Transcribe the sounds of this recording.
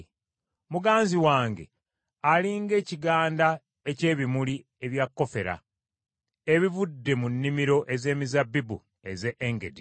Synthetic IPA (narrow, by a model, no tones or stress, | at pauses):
muɡaːnziwaːŋɡe̞ | aliːŋɡe̞ːciɡaːnda | ece̞ːβimuli | e̞βjakːo̞fe̞ɾa̰ | eβivudːe̞munːimiɾo̞ʔe̞ze̞ːmizabːibu | e̞zeʔːŋɡe̞di